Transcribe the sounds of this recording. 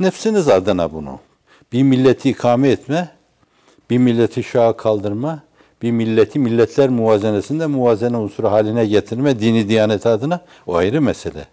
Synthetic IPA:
nɛfsinizad̪ɯna̰bunṵ | b̥iɾmilʲːɛt̪ʰiːkʰaːmɛːt̪mɛ | b̥iɾmilʲːɛt̪ʰiʃaɯkʰalˠd̪ɯɾma | b̥iɾmilʲːɛt̪ʰimilʲːɛt̪ʰlʲæɾmuvaːzɛnɛsind̪ɛmuvaːzɛnɛonsuɾaɦaːlʲinɛɟɛt̪ʰiɾmɛd̪iːnid̪ijaːnɛt̪ʰiad̪ɯna | oa̰jɾɯmɛsɛlʲɛ̰

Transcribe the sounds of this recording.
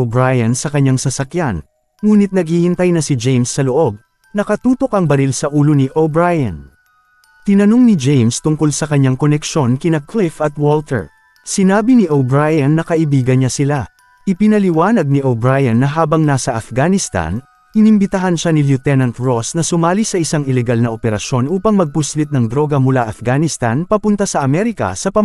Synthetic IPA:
obɹajɐnsɐkɐɲːaŋsɐsɐkjan | ŋuːnɪt̪̚nɐɡ̚hihɪnt̪ajnɐsɪd͡ʒejmsːɐloʔo̞b̚ | nɐkɐt̪uːt̪o̞kʔɐŋbɐɾilsɐʔuːloniʔobɹajɐ̰n | t̪ɪnɐno̞ŋnɪd͡ʒejmst̪ʊŋkolsɐkɐɲːaŋkonɛkʃo̞nkɪnɐklɪfɐt̪̚wolt̪ɛ̰ɹ | sɪnaːbiniʔobɹajɐnːɐkɐʔɪbiːɡɐnɲasɪla | ʔɪpɪnɐlɪwaːnɐɡ̚niʔobɹajɐnːɐɦaːbɐŋnasɐʔɐfɡanɪst̪a̰n | ʔɪnɪmbɪt̪ɐɦanʃaniljut̪ɛnɐnt̪ɹosnɐsʊmaːlisɐʔɪsaŋɪlɛɡalnɐʔopɛɾɐʃo̞nʔuːpɐŋmɐɡ̚pʊslɪt̪̚nɐŋd̪ɾo̞ɡɐmʊlaʔɐfɡanɪst̪anpɐpʊnt̪asɐʔɐmɛɾɪkɐ̰sɐpɐ

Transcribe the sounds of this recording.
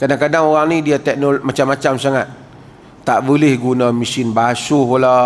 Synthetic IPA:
kadaŋkadaŋoɣaŋnidiat̪ɛk̚nomat͡ʃamːat͡ʃamsaŋat̪̚ː | aʔbəlɪhɡunamisɪnbaasuɦola

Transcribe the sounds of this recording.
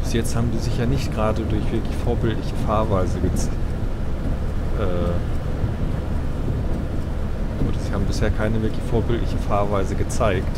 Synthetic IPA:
b̥ɪsjɛt͡sthaːbm̩diːzɪçjaːnɪçtɡ̥ʁaːdədʊɐçv̥ɪɐklɪçfoːɐbɪltlɪçəfaːɐvaɪzəɡət͡s | ʔɛː | ʔo̰ːdɐziːhaːbm̩bɪsheːɐkʰaɪnəvɪɐklɪçfoːɐbɪltlɪçəfaːɐvaɪzəɡət͡saɪkt

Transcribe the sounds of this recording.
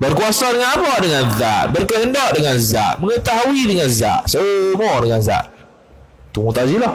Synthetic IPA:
bərkuasadəŋanmɔʔdəŋanðaʔbərkəɦəndɔʔdəŋanza̰ʔməŋət̪aɦawidəŋanza̰ʔsəmɔdəŋanza̰ʔ | t̪umut̪azilɔh

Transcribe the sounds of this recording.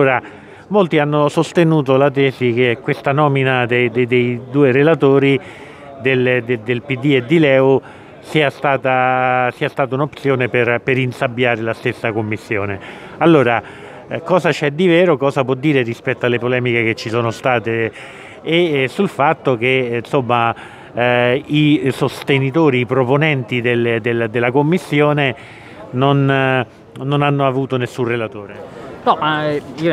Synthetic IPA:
oːɾa | molt̪ianːosost̪enuːt̪olat̪ɛːzik̟ekwest̪anɔːminad̪ejd̪ed̪ejd̪uːeɾelat̪oːɾi | d̪eld̪ed̪elpid̪ːied̪ːilɛːo | siːast̪aːt̪asiːast̪aːt̪aunopsjoːneperpeɾinsabːjaːɾelast̪esːakomːisːjoːne | alːoːɾa | kɔːzat͡ʃɛd̪ːivɛːɾokɔːzapwɔd̪ːiːɾerispɛt̪ːoalːepolɛːmikek̟et͡ʃːisoːnost̪aːt̪eː | sulfat̪ːok̟ensomːa | isost̪enit̪oːɾiːpɾoponɛnt̪id̪elːd̪elad̪elːakomːisːjoːne | non | nːonanːoavuːt̪onesːunrelat̪oːɾenɔ

